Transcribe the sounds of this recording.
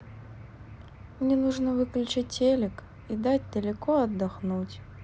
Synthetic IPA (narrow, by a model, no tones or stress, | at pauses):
mnʲɛnuʐnəvɨklʲʉt͡ɕat̚ʲelʲɪk | id̪atʲd̪əlʲɪkoɐd̪ːɐxnutʲ